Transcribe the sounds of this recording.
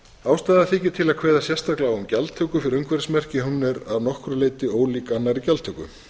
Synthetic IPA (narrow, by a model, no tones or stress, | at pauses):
aːwst̪aːðaθiːcɪt̪ʰɪlakʰv̥ɛːðasjɛst̪aklawʏmcalt̪ʰœkʏfɪɾɪɾʏŋkvɛɾsmɛr̥cɪɦunːɪɾaðnɔhkɾaleːjt̪ɪoːwliːkanːaɾicalt̪ʰœkʏ̰